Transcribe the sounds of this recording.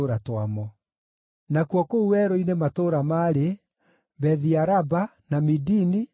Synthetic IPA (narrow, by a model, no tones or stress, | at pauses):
oɾatwamɔ | nakwɔkouwɛɾɔinematoɾamaːɾe | bɛðiaɾabanamidini